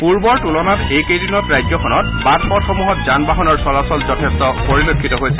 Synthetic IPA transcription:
puɹbɔɹtulɔnatejkejdinɔtɹajd͡ʒjɔkʰɔnɔt̚batpɔtxɔmuɦɔtzanbaɦɔnɔɹsɔlasɔlzɔtʰɛstɔpoɹilokʰːitɔɦojsɛ̥

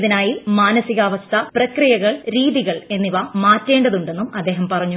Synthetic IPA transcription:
ðinaːjimaːnɐsiɣaːʋɐst̪ʰɐprɐkrijɐɣɐɭɾiːðiɣɐɭe̞nːiʋɐmaːtːe̞ːɳɖɐðuɳɖe̞nːumɐd̪ːe̞ːɦɐmpɐrɐɲːu

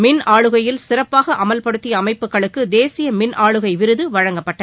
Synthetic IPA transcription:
mɪnaːɭɯɣɐjɪlsɪrɐpːaːɣɐʔɐmɐlpɐɽɯt̪ːɪjɐːmɐɪpːɯkːɐɭɯkːɯd̪eːsɪjɐmɪnʔaːɭɯɣɐɪʋɪɾɯðɯʋɐɻɐŋɡɐpːɐʈːɐ

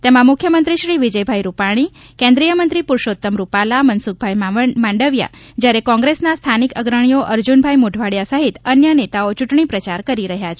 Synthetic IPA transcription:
t̪emãmʊkʰjəmənt̪ɾiʃɾiʋid͡ʒəjbʱajɾupaɽ̃i | kẽnd̪ɾijəmənt̪ɾipʊɾʃot̪ːəmɾupalamənsuk̚bʱajmmãɳɖəʋja̰ | d͡ʒjaɾekɔ̃ŋɡɾesnast̪ʰanikəɡɾəɳ̃ioʔəɾd͡ʒunbʱajmuɖʱʋaɽjasəɦit̪ənjənet̪aot͡ʃuʈɳipɾət͡ʃaɾkəɾiɾəɦjat͡ʃʰe

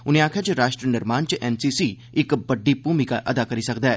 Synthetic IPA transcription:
ʊnẽːaːkʰjaːt͡ʃɾaːʃʈɾənɪɾmaːnt͡ʃʔɛːnsiːsiː | ɪkbəɖːiːpuːmikaʔɐd̪aːkəɾiːsəkd̪aɛː

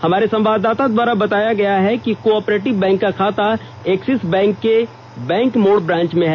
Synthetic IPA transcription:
hɐmaːɾesɐ̃mʋaːd̪aːt̪ad̪waːɾabɐt̪aːjaɡɐjaɦɛkikoɔːpɾeːʈɪʋbɛ̃ːŋkːakʰaːt̪a | eːksɪsbɛ̃ːŋkːe | bɛ̃ːŋkmoːɽbɾãːnt͡ʃmẽɦɛː

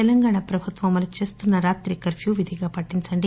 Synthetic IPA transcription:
ɛlɐŋɡaːɳapɾɐbʱut̪ʋɐmɐlɐt͡ʃe̞ːst̪unːɐɾaːt̪ɾikɐɾpʰjuːʋid̪ʱiɡaːpɐʈːint͡ʃɐɳɖi

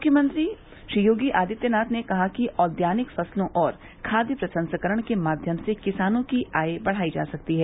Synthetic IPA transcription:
mʊkʰːjəmə̃nt̪ɾi | ʃɾiːjoːɡiʔaːd̪ɪt̪jənaːt̪nekɐɦakiʔɔːd̪jaːnɪkfɐslõʔɔːɾ | kʰaːd̪jəpɾɐsə̃nsəkəɾəɽ̃kemaːd̪ʱjəmsekɪsaːnõkiaːebɐɽ̤aːid͡ʒa̰ːsɐk̚t̪iɦɛː

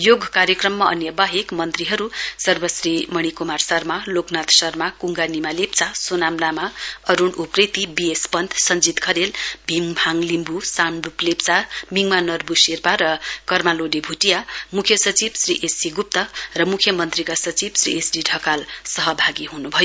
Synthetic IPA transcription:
joɡʱkaɾjʌkrʌmːaʌ̰njʌbaɦekmʌnt̪riɦʌɾusʌrbʌsrimʌɽ̃ikomarsʌrmaloknat̪sʌrmakuŋɡanimalep̚t͡sasonamnamaʌɾunupret̪ibiespʌnt̪ʰsʌnd͡zit̪kʰʌɾelbʱiŋbʱaŋlimbusanɖuplept͡samiŋmanʌrbusirpaɾʌkʌrmaloɖebʱuʈijamukʰjʌsʌt͡sibsriʔesiɡup̚t̪ʌrʌmukʰjʌmʌnt̪rikasʌt͡sibsrḭesɖiɖʱʌkalsʌɦʌbʱaɡiɦunubʱʌjo

